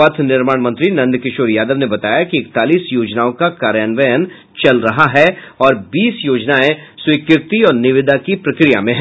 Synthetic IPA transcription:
aːt̪ʰnɪɾmaːɽmɐ̃nt̪ɾinɐ̃nd̪kɪʃoːɾjaːd̪əʋnebɐt̪aːjakiɪkt̪aːliːsjoːd͡ʒnaːõkakaːɾjaːnʋəjən | t͡ʃɐlɾɐɦaɦɛɔːɾbiːsjoːd͡ʒnaːẽswikɪɾt̪iɔːɾnɪʋɪd̪ʱakipɾɐkɾija̰mẽɦɛ̃

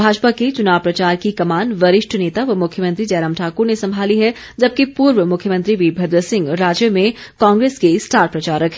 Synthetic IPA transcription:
bʱaːd͡ʒpaket͡ʃʊnaːʋpɾɐt͡ʃaːɾkikɐmaːnʋɐɾɪʃʈʰneːt̪aʋmʊkʰːjəmɐ̃nt̪ɾid͡ʒɐːɾəmʈʰaːkʊɾnesɐ̃mbʱaːliɦɛ | d͡ʒɐb̚kepuːɾʋəmʊkʰjəmɐ̃nt̪ɾiʋibʱɐd̪ɾəsɪ̃ŋɡɾaːd͡ʒjəmẽ | kãːŋɡɾeːskesʈaːɾʈ̚pɾɐt͡ʃaːɾəkʰ

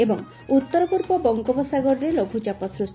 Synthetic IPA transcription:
ebɔŋ | ut̪ːɔɾɔpuɾpɔbɔŋɡɔbɔsaɡɔɾɔɾelobʱut͡ʃapɔsɾust̪

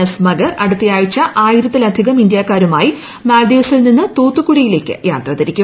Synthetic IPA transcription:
ɐsmɐɡɐrɐɽut̪ːijaːjit͡ɕːɐʔaːjiɾɐt̪ːilɐd̪ʱiɣɐmind̪jaːkːaːɾumaːji | maːlɖeːsilninːɨt̪oːt̪ːukuɽijile̞ːkʲːɨ̰jaːt̪rɐːðɐɾikʲːu

